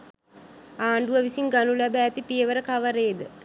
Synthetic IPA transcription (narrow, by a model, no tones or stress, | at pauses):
aːɳɖuʋəʋisiŋɡanulæbæːt̪ipijəʋəɾəkaʋəɾeːd̪ə